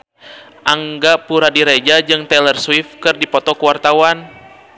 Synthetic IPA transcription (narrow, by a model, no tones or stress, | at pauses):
ʔaŋɡapuɾadiɾɛd͡ʒad͡ʒɨŋt̪ɛlɛrswifkɨrdipɔt̪ɔkuwart̪awan